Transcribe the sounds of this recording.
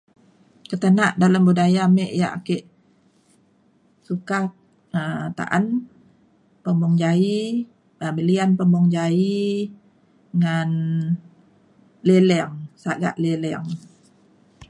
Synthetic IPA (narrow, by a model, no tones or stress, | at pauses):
kət̪ənaʔdaləmbudajamɛʔjaʔa̰keʔ | suka | ət̪a̰ʔan | pəmbɔŋd͡ʒai | əbəlianpəmbɔŋd͡ʒai | ŋan | lelɛŋsaɡa̰ʔlelɛŋ